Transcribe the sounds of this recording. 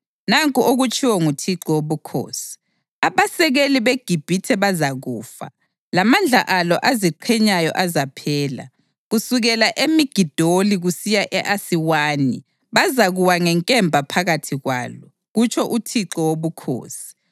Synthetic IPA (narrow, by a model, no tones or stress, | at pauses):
naŋkʼuʔoɣut͡ʃʰʼiwɔŋutʰiǁɔwoβukʰo̰ːsi̥ | aβasɛɣeliβeɡ̥ʱib̥ʱitʰɛβazaɣṵːfa̰ | lamand͡ɮʱa̰ʔalɔʔaziǃʰɛɲajɔ̰ʔazapʰɛːla̰ | ɣusuɣɛlaʔemiɡ̥ʱid̥ʱoliɣusijaʔɛʔasiwaːni | βazaɣuwaŋɛŋkʼɛmbʱapʰaɣatʰiɣwa̰ːlɔ | ɣut͡ʃʰɔʔutʰiǁɔwoβukʰo̰ːsi̥